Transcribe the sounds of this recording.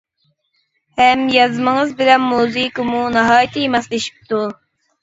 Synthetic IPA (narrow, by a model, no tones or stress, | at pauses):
hɛmjɑzmɨŋəzbɪlɛnːuzɨkɨmunɑɦɑːjit̪ʰɨjmɛsleʃi̥p̚t̪ʰu